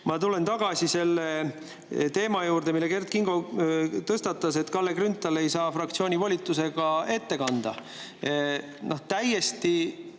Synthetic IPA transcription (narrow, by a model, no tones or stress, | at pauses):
mɑt̪ule̞nt̪ɑɡ̥ɑsise̞lːe | t̪e̞ːmɑjuːɾd̪e̞milːe̞ke̞rt̪̚kiŋɡ̥o̞t̪ɤst̪ɑt̪ːˑɑse̞t̪ːˑkɑlːekrynt̪ːˑɑle̞jsɑːfrɑk̚t̪sio̞ːnʲivolʲit̪ːˑuse̞ɡ̥ɑe̞t̪ːe̞kɑnd̪̥ɑ̰ | no̞ht̪æjːest̪i